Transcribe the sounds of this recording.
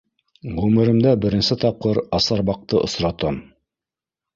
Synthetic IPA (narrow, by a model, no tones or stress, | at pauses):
ʁʉmɘ̆ɾɘ̆md̪æbɘ̆ɾɘ̆nsɘt̪ɑp̚qɤɾɑsɑɾβɑq̚t̪ɤʔŏsɾɑt̪ɑm